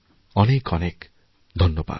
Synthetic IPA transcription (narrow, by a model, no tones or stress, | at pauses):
ʌnekʌnek | d̪ʱʌnjɔba̰